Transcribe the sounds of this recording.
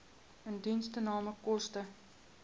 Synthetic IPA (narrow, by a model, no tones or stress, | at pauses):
əndinstənɑːməkɔstə